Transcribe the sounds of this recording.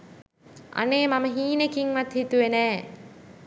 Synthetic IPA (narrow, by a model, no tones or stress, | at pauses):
ʔa̰neːmɐməɦiːnekiŋʋɐt̪hit̪uʋenɛː